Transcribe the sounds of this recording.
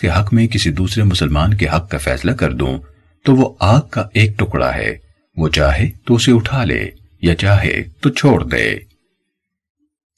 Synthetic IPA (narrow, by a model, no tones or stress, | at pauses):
keɦɐkmẽk̬ɪsid̪uːsɾemʊsəlmaːnkeɦɐkːafɛ̰ːslakɐɾd̪ṵ̃ | t̪oʋoaːɡ̚kːaʔeːk̚ʈʊkɽa̰ɦɛ̰ː | ʋoːt͡ʃaːɦet̪oʊseʊʈʰaːlḛː | jat͡ʃaːɦḛt̪ot͡ʃʰoːɽd̪ḛː